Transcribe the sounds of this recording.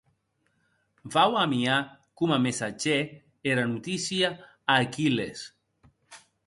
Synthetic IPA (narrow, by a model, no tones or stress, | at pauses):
vawamia | kumamesat͡ʃe | eɾanut̪isja | akiles